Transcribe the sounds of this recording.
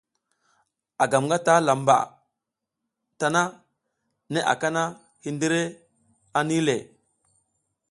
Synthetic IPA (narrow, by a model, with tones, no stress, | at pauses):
a˨ɡa˨mŋɡa˦ta˦la˨mba̰˨ | ta˨na˦ | ne˦ʔa̰˨ka˦na˦ | hi˦ndi˦ɾe˦ | a˦ni˦le˨